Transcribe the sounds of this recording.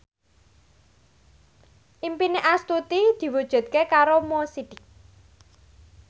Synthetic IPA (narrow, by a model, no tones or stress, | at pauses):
ʔimpineʔast̪ut̪id̪̥i̤wud̥ʒ̥ṳd̪̥̚kekaɾomosid̪̥ɪk̚